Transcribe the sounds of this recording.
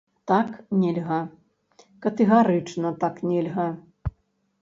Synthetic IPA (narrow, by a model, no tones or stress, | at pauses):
t̪aknʲɛlʲɣɐ | kɐt̪ɛɣaɾɨt͡ʂnɐt̪aknʲɛlʲɣɐ